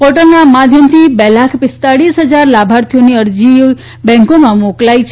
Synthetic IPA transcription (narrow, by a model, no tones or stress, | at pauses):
pɔʈəlnamad̪ʱjəmt̪ʰibɛlakʰpɪst̪aɽisɦəd͡ʒaɾlabʱaɾt̪ʰijoniəɾd͡ʒi | bɛ̃ŋkomãmoklajt͡ʃʰ